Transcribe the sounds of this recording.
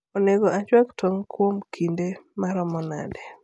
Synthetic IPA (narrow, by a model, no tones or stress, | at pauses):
oneɡoat͡ʃwaktʰoŋkʰwomkʰindemaɾɔmɔna̰dɛ